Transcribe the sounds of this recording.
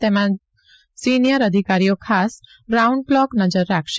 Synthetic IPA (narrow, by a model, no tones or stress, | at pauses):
t̪emã | sinijəɾəd̪ʱikaɾijokʰas | ɡɾaũɳɖ̚klɔknəd͡ʒəɾːakʰʃ